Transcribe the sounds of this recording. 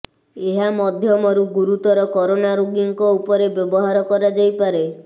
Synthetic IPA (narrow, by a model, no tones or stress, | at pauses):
eɦamɔd̪ʱjɔmɔɾuɡuɾut̪ɔɾɔkɔɾonaɾuɡiŋkɔupɔɾebjɔbɔɦaɾɔkɔɾad͡ʒajpaɾe